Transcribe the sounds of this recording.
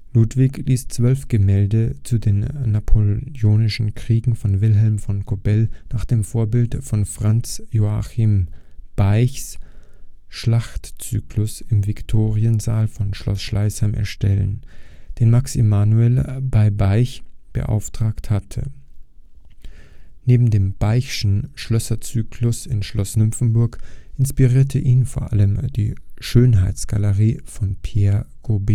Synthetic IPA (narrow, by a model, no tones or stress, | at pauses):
luːtv̥ɪçliːst͡sv̥œlfɡ̥əmɛːldət͡sudeːnːapʰojoːnɪʃn̩kʁ̥iːɡŋ̩fɔnvɪlɦɛlmfɔnkʰobɛlnaːχd̥eːmfoːɐbɪltfɔnfʁ̥ant͡sjoaximb̥aɪçs | ʃlaχtt͡sy̰ːklʊsɪmvɪktʰoːʁiənzaːlfɔnʃlɔ̰sʃlaɪshaɪmʔɛ̰ɐʃtɛlə̰nd̥eːnmaksemaːnuɛlbaɪbaɪçb̥ə̰ʔa̰ʊftʁ̥aːkthatʰə̰ | neːbm̩deːmb̥aɪʃn̩ʃlœsɐt͡syːkʰlʊsɪnʃlɔsnʏmfn̩bʊɐkʔɪnspiʁiːɐtʰəʔiːnfoːɐʔa̰ləmd̥ḭːʃøːnɦaɪtt͡sɡ̥aləʁiːfɔnpʰeːɐɡ̥obeː